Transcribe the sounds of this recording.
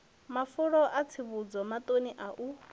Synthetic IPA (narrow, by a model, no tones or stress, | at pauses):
mafuɺɔʔat͡sʰiβud͡zɔmat̪ʼoniʔaʔu